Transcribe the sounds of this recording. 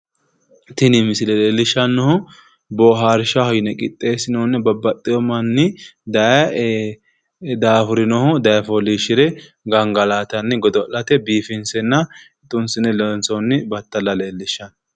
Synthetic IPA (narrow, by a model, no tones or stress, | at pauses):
t̪ɪnɪmɪsɪlɛle̞ːlːɪʃːɐnːɔhʊ | bɔːɦaːɾɪʃɐhɔjɪnɛkʼɪt̪ʼːe̞ːsɪnɔnːɪbɐbɐt̪ʼːɪjɔmɐnːɪd̪ɐ | d̪aːfʊɾɪnɔhʊd̪ɐjɐfɔliːʃɪɾɛ | ɡɐŋɡɐlaːt̪ɐnːɪɡɔd̪ɔɔlɐt̪ɛbiːfɪnsɛnːɐ | t̪ʼːʊnsɪnɛlɔnsɔnːɪbɐt̪ːɐlːɐleːlːɪʃːɐn